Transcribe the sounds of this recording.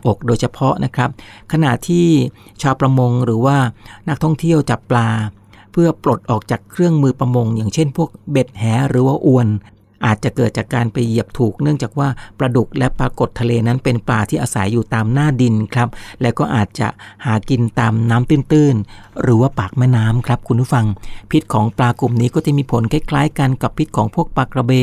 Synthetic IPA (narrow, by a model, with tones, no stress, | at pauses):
ʔo˨˩k̚doː˧jt͡ɕʰa˧pʰɔ˦˥ʔnʔa˦˥kʰɾa˦˥p̚kʰa˧na˨˩ʔt̪ʰiː˥˩t͡ɕʰaː˧wpɾa˧mo˧ŋɾɯː˩˦waː˥˩na˦˥k̚t̪ʰɔ˥˩ŋt̪ʰi˥˩əwt͡ɕa˨˩pːlaː˧ | pʰɯ˥˩ɐpɾo˨˩t̪̚ʔɔː˨˩k̚t͡ɕaː˨˩kʰɾɯ˥˩əŋmɯː˧pɾa˧mo˧ŋjaː˨˩ŋt͡ɕʰe˥˩npʰu˥˩ək̚be˨˩t̪̚hɛː˩˦ɾɯː˩˦waː˥˩ʔu˧ən | ʔaː˨˩t̪̚t͡ɕa˨˩kɤː˨˩t̪̚t͡ɕaː˨˩kːaː˧npa˧jːi˨˩əp̚t̪ʰuː˨˩k̚nɯ˥˩əŋt͡ɕaː˨˩k̚waː˥˩pɾa˧du˨˩k̚lɛ˦˥pɾaː˧ko˨˩t̪ʰːa˧leː˧na˦˥npe˧nplaː˧t̪ʰiː˥˩ʔaː˧sa˩˦jːuː˨˩t̪aː˧mnaː˥˩di˧nkʰɾa˦˥p̚lɛ˦˥wkɔː˥˩ʔaː˨˩t̪̚t͡ɕa̰˨˩ʔhaː˩˦ki˧nt̪aː˧mnaː˦˥mt̪ɯː˥˩nt̪ɯː˥˩n | ɾɯː˩˦waː˥˩paː˨˩k̚mɛː˥˩naː˦˥mkʰɾa˦˥p̚kʰu˧npʰu˦˥˩fa˧ŋpʰi˦˥t̪̚kʰɔː˩˦ŋplaː˧ku˨˩mniː˦˥kɔː˥˩t͡ɕa˨˩miː˧pʰo˩˦nkʰa˦˥˩jkʰlaː˦˥jka˧nka˨˩pʰːi˦˥t̪̚kʰɔː˩˦ŋpʰu˥˩ək̚pa˨˩kɾa˧beː˧